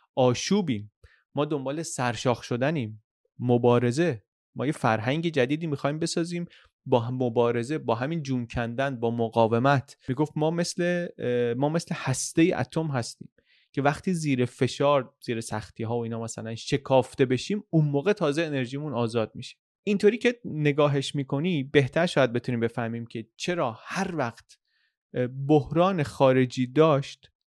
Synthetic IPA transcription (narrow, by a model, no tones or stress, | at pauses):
ʔɒːʃuːbiːmː | ɒːd̪o̞mbɒːle̞sæɾʃɒːxʃo̞d̪æniːmː | obɒːɾe̞ze̞ | mɒ̰ːjefæɾɦæŋɟe̞d͡ʒæd̪iːd̪iːmixɒːiːmbe̞sɒːziːm | bɒmobɒːɾe̞ze̞bɒːɦæmiːnd͡ʒuːmcʰænd̪ænbɒːmoɣɒːve̞mæt̪ʰmiːɡo̞ft̪mɒːmeslemɒːme̞sle̞hæst̪e̞jeʔæ̰t̪ʰomɦæst̪ḭːm | cʰe̞væxt̪ʰiːziːɾefe̞ʃɒːɾz̥iːɾesæxt̪ʰiːɦɒːvoiːnɒːmæsælænʃe̞kʰɒːft̪e̞be̞ʃiːmunmoːɣe̞t̪ʰɒːzeene̞ɾʒiːmunɒːzɒːd̪̚miʃi̥ | ʔint̪ʰoɾiːcʰene̞ɡɒːɦe̞ʃmiːkʰo̞nibe̞ht̪ʰæɾʃɒːjæd̪̚be̞t̪ʰuniːmbe̞fæhmiːmcʰe̞t͡ʃʰe̞ɾɒːhæɾvæxt̪ | bohɾɒːne̞xɒːɾe̞d͡ʒiːd̪ɒːʃt̪